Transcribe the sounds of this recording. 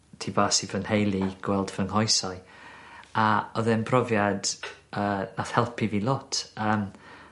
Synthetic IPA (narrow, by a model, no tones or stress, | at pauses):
tʰivaːsivənhejlˠiɡ̥wɛlˠdvəŋhɔjsaɨ | aɔðɛnbrɔvjad̥əːnaθhɛlˠpʰiviːlˠɔtʰəːm